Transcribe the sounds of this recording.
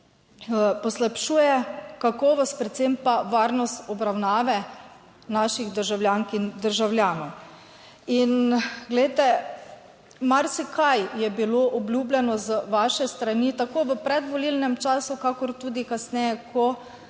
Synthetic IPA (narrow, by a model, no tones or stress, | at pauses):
pɔslapʃuːjɛkakɔːʋɔspɾɛt̪sempaʋaːɾnɔst̪ɔbɾawnaːʋɛ | naʃiɣd̪əɾʒawlʲjaːŋkind̪əɾʒawlʲjaːnɔw | inɡlɛjt̪ɛ | maɾsikʰajjɛbiloʔɔblʲjublʲɛnɔzʋaːʃɛst̪ɾanit̪akoːʋəpɾɛd̪ʋɔlilnɛmt͡ʃaːsukakɔɾt̪uːd̪ikasnɛjɛkʰɔ